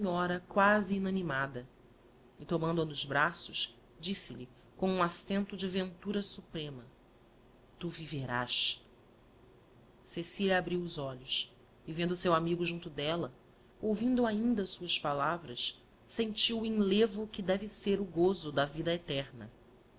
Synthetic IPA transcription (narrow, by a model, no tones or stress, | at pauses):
sĩɲɔɾɐkwaziːnɐnimad̪ɐ | ɪt̪omɐ̃nd̪ʊɐnʊzbɾasʊʃ | d͡ʒisɪʎi | kõũasẽnt̪ʊd͡ʒɪvẽnt̪uɾɐsupɾẽmɐ | t̪uviveɾa̰ʃ | sesiʎɐabɾiwʊzɔʎʊʃ | ivẽnd̪ʊsewamiɡʊʒũnt̪ʊd̪ɛlɐ | owvĩnd̪uaĩnd̪ɐsuɐʃpalavɾɐʃ | sẽnt͡ʃiwĩŋlevʊkɪd̪ɛvɪseɾʊɡozʊd̪ɐvid̪ɐet̪ɛɾnɐ̰